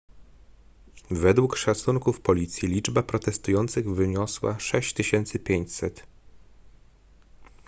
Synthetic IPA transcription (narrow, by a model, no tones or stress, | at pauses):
vɛd̪wukʂat̪suŋkufpɔlʲit̪sʲjilʲid͡ʐbapɾɔt̪ɛst̪ujɔnt̪sɘɣvɘɲɔswa̰ʂɛɕt͡ɕt̪ɘɕɛnt̪sɘpʲjeɲt͡ɕsɛt̪